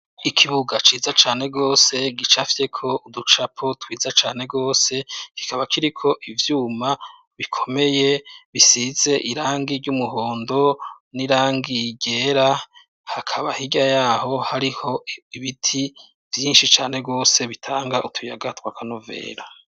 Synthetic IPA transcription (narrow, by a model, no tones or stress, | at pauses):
ikʰiβuɡat͡ʃiːzat͡ʃaːne̞ɡo̞ːse̞ɡit͡ʃafje̞kʰo̞udut͡ʃapʰotwiːzat͡ʃaːne̞ɡo̞ːse̞ki̥kaβakʰiɾikʰo̞ʔivjuːma | βikʰo̞me̞je̞βisiz̥e̞ʔiɾaːŋɡiɾɟumuɦoːndo̞ | niɾaːŋɡiɟe̞ɾa | hakʰaβahiɟajaːho̞haɾiho̞iβitʰi | vjiːnʃit͡ʃaːne̞ɡo̞ːse̞βitʰaːŋɡaʔutʰujaɡatwakʰanove̞̰ːɾa